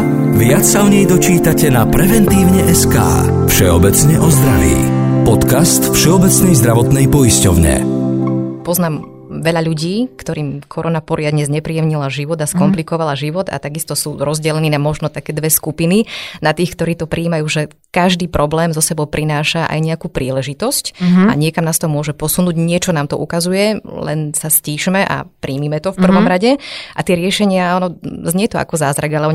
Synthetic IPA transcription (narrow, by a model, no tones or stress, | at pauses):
ʋɪat͡ssaɔɲɛjd̪ɔt͡ʃiːt̪acɛnapɾɛvɛnt̪iːʊɲɛʔɛska̰ː | fʃɛɔbɛt͡sɲɛʔɔzd̪ɾaʋḭːpɔt̪kast̪fʃɛɔbɛt͡snɛjzd̪ɾaʋɔt̪nɛjpɔiscɔʊɲɛ̰ | pɔznaːm | ʋɛʎaʎuɟiːkt̪ɔɾiːmkʰɔɾɔnapɔɾɪad̪ɲɛzɲɛpɾijɛmɲilaʒiʋɔd̪askɔmplikɔʋalaʒiʋɔd̪a̰t̪aɡist̪ɔsuːɾɔzɟɛlɛniːnamɔʒnɔt̪akɛːd̪ʋɛskupininat̪iːxkt̪ɔɾiːt̪ɔpɾʔiːmajuːʒɛ | kaʒd̪iːpɾɔblɛːmzɔsɛbɔʊpɾinaːʃaʔa̰jɲɛakuːpɾiːlɛʒit̪ɔsca̰ɲɪɛkamnaːst̪ɔɦɔmʊɔʒɛpɔsunuːɟɲɪɛt͡ʃɔnaːmt̪ɔʔukazujɛlɛ̰nsasciːʃmɛʔa̰pɾiːmimɛt̪ɔfpr̩ʋɔmɾaɟɛʔat̪ɪɛɾɪɛʃɛɲɪaanɔzɲɛt̪ɔa̰kɔzaːzɾaɡalɛɔ